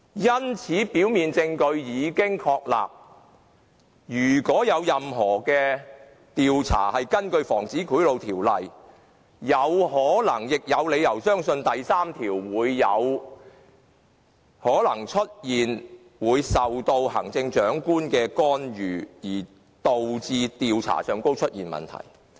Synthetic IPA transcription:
jɐ˥nt͡sʰiː˨˥piː˨˥wmiː˨nt͡sɪ˧ŋkɵ˧ɥjiː˨˧kɪ˥ŋkʰɔː˧k̚la̰ː˨p̚ | jyː˨˩kɔː˨˥jɐ˨˧wjɐ˨mɦɔː˨˩kɛː˧ | t̪iː˨wt͡sʰa̰ː˨˩hɐ˨jkɐ˥nkɵ˧ɥfɔː˨˩ŋt͡siː˨˥kʰuː˨˥jlo˨˧wt̪ʰiː˨˩wlɐ˨˩j | jɐ˨˧wɦɔː˨˥lɐ˨˩ŋjɪ˨k̚jɐ˨˧wle˨˧jɐ˨˩wsœː˥ŋsɵ˧nt̪ɐ˨jsaː˥mt̪ʰiː˨˩wwuː˨˧jːɐ˨˧w | hɔː˨˥lɐ˨˩ŋt͡ʃʰɵ˥t̚jiː˨n | wuː˨˧jsɐ˨wt̪o˧whɐ̰˨˩ŋt͡sɪ˧ŋt͡ʃœː˨˥ŋkuː˥nkɛː˧kɔː˥njyː˨˩jiː˨˩ | t̪o˨wt͡siː˧t̪iː˨wt͡sʰa̰ː˨˩sœː˨˧ŋko˥wt͡ʃʰɵ˥t̚jiː˨nmɐ̰˨nt̪ʰɐ̰˨˩j

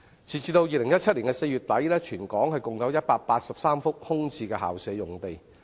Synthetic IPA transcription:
t͡sʰiː˨˩t͡siː˧t̪o˧wjiː˨˧lɪ˨˩ŋjɐ˥t̚t͡ʃʰɐ˥t̚liː˨˩ŋkɛ˧se˧jyː˨t̚t̪ɐ˨˥jlɛː˥t͡ʃʰyː˨˩nkɔː˨˥ŋhɐ˨jkʊ˨ŋjɐ˨˧wjɐ˥t̚paː˧k̚paː˧t̚sɐ˨p̚saː˥mfʊ˥k̚hʊ˥ŋt͡sʰiː˧kɛː˧ɦa̰ː˨˩wsɛː˨˥jʊ˨˩ŋt̪e˨˩j

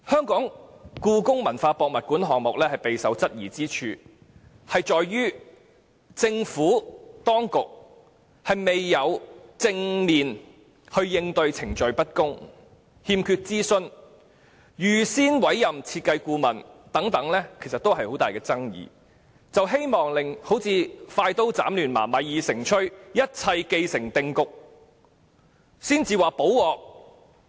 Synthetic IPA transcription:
hœː˥ŋkɔː˨˥ŋkuː˧kʊ˥ŋmɐ˨˩nfaː˧pɔː˨˧k̚mɐ˨t̚kuː˨˥nɦɔː˨ŋ̚mʊ˨k̚lɛː˥hɐ˨jpe˨jsɐ˨˥wt͡sɐ˥t̚jiː˨˩t͡siː˥t͡ʃʰyː˧ | hɐ˨jt͡ʃɔː˨jɥyː˥ | t͡sɪ˧ŋfuː˨˥t̪ɔː˥ŋkʊ˨k̚ | hɐ˨jme˨jːɐ˨˧wt͡sɪ˧ŋmiː˨n | hɵ˧ɥjɪ˧ŋt̪ɵ˧ɥt͡sʰɪ˨˩ŋt͡ʃɵ˨˧ɥpɐ˥t̚kʊ˥ŋ | hiː˧mkʰyː˧t̚t͡siː˥sɵ˧n | jyː˨˩siː˥nwɐ˨˥jjɐ˨mt͡sʰiː˧t̚kɐ˧jkuː˧mɐ˨˩nt̪ɐ˨˥ŋt̪ɐ˨˥ŋlɛː˥kʰe˨˩jsɐ˨t̚t̪o˥wɦɐ˨jho˨˥wt̪aː˨jkɛː˧t͡sɐ˥ŋjḭː˨˩ | t͡sɐ˨wɦe˥jmɔː˨ŋlɪ˨ŋho˨˥wt͡sʰiː˧faː˧jt̪o˥wt͡sa̰ː˨˥mlyː˨˩nma̰ː˨˩mɐ˨jːiː˨sɪ˨˩ŋt͡ʃʰɵ˥ɥjɐ˥t̚t͡sʰɐ˧jke˧jsɪ˨˩ŋt̪ɪ˧ŋkʊ˨k̚ | siː˥nt͡siː˨˧waː˨˩po˨˥wwɔː˨k̚

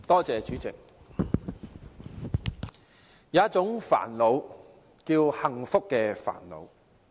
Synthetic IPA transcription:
t̪ɔː˥t͡sɛː˨˧t͡ʃyː˨˥t͡sɪ̰˨k̚ | jaː˨˦ɐ˥t̚t͡sʊ˨˥ŋfa̰ː˨˩nlo˨˧w | kiː˧whɐ˨˩ŋfʊ˥kːɛː˧fa̰ː˨˩nlo̰˨˧w

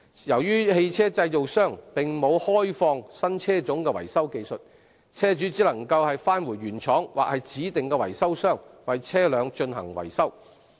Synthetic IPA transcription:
jɐ˨˩wjyː˥he˧jt͡sʰɛː˥t͡sɐ˧jjo˨wsœː˥ŋpɪ˨ŋmo˨˧whɔː˥jfɔː˧ŋsɐ˥nt͡sʰɛː˥t͡sʊ˨˥ŋkɛː˧wɐ̰˨˩jsɐ˥wke˧jsɵ˨t̚ | t͡sʰɛː˥t͡ʃyː˨˥t͡siː˨˥lɐ˨˩ŋkɐ˧whɐ˨jfaː˥nwuː˨˩jɥyː˨˩nt͡ʃʰɔː˨˥ŋwaː˨k̚hɐ˨jt͡siː˨˥t̪ɪ˨ŋkɛː˧wɐ̰˨˩jsɐ˥wsœː˥ŋwɐ˨jt͡sʰɛː˥lœː˨˧ŋt͡ʃɵ˧nɦɐ̰˨˩ŋwɐ̰˨˩jsɐ˥w

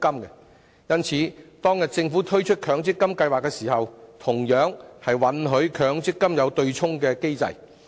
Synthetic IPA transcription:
kɐ˥mkɛ˧ | jɐ˥nt͡sʰiː˨˥t̪ɔː˥ŋjɐ˨t̚t͡sɪ˧ŋfuː˨˥t̪ʰɵ˥ɥt͡ʃʰɵ˥t̚kʰœː˨˧ŋt͡sɪ˥kːɐ˥mkɐ˧jwaː˨kːɛ˧siː˨˩hɐ˨wt̪ʰʊ˨˩ŋjœː˨˥ŋhɐ˨jwɐ˨˥nɦɵ˨˧˥ɥkʰœː˨˧˥ŋt͡sɪ˥kːɐ˥mjɐ˨˧wt̪ɵ˧ɥt͡sʰʊ˥ŋkɛː˧ke˥jt͡sɐ̰˨j

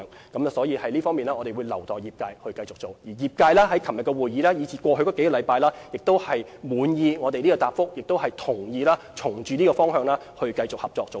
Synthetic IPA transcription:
ŋ | kɐ˨˥mɐ˨sɔː˨˥jiː˨˧hɐ˨jliː˥fɔː˥ŋmiː˨nlaː˥ɔː˨˧te˨jwuː˨˧jlɐ˨˩wt̪ɔː˨˩jiː˨p̚kaː˧jhɵ˧kɐ˧jt͡sʊ˨k̚t͡so˨wjiː˨˩jiː˨p̚kaː˧jlaː˥ɦɐ˨˥jkʰɐ˨˩mjɐ˨kːɔ˧wuː˨˩jiː˨˧laː˥jiː˨˧t͡sʰiː˨˩kʷɔː˧ɦɵ˧ɥkɔː˧˥ke˨˥jkɔː˨˧lɐ˨˧jpaː˧jlaː˥jɪ˨k̚t̪o˥whɐ˨jmuː˨˧njiː˧ŋɔː˨˧t̪e˨jliː˥kɔː˧t̪aː˨p̚fʊ˥k̚jɪ˨k̚t̪o˥whɐ˨˩jt̪ʰʊ˨˩ŋjiː˧laː˥ | t͡sʰʊ˨˩ŋt͡ʃyː˨niː˥kɔː˧fɔː˥ŋɦœː˧ŋlaː˥ | hɵ˧ɥkɐ˧jt͡sʊ˨k̚hɐ˨p̚t͡sɔː˧k̚t͡so˨w

